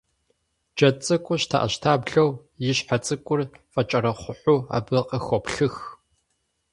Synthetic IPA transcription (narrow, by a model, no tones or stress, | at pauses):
d͡ʒɐt͡sʼɨkʷʼʊɕtʰa̰ːʔɐ̰ɕtʰaːbɮɐw | jɪɕħat͡sʼɨkʷʼʊrfʼɐt͡ʃʼɐɾɐχʷʊħʷuːa̰ːbɨqʼəxʷɔpɬɨx